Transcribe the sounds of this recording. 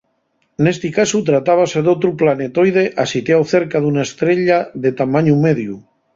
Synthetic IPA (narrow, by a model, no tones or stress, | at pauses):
nest̪ikasut̪ɾat̪aβ̞aseðot̪ɾuplanet̪ojð̞eʔasit̪jawθeɾkaðunaest̪ɾeʎaðet̪amaɲumeðju